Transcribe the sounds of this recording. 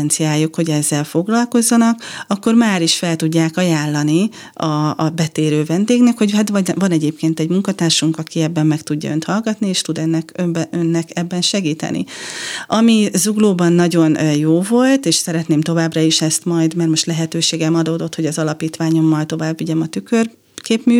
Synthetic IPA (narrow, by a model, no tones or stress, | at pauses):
nt̪sijaːjːukho̞ɟɛzːɛlfo̞ɡlɒlko̞zːɒnɒkɒkːo̞rmaːɾiʃfɛlt̪uɟːaːkɒjaːlːɒni | ɒbɛt̪eːɾøːvɛnd̪eːɡnɛkho̞ɟɦat̪ɒvɒnɛɟeːpkeːnt̪ɛɟmuŋkɒt̪aːrʃuŋkɒkiɛbːɛmːɛkt̪uɟːɒ̰ønt̪hɒlɡɒt̪nieːʃt̪ud̪ɛnːɛkøbønːɛkɛbːɛnʃɛɡiːt̪ɛ̰nʔḭɒmizuɡloːbɒnːɒɟo̞njoːvo̞lt̪eːʃsɛɾɛt̪neːmt̪o̞vaːbrɒiʃɛst̪mɒjd̪mɛrmo̞ʃt̪lɛɦɛt̪øːʃeːɡɛmɒd̪oːd̪o̞t̪ho̞ɟɒzɒlɒpiːt̪ʋaːɲo̞mːɒjt̪o̞vaːbːiɟɛmɒt̪ykør | keːpmy